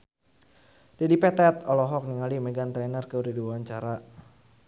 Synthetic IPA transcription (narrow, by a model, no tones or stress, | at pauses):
dadipɛt̪ɛt̪ɔlɔɦɔk̚niŋalimɛɡant̪ɾɛnərkəɾiduaɲt͡ʃaɾa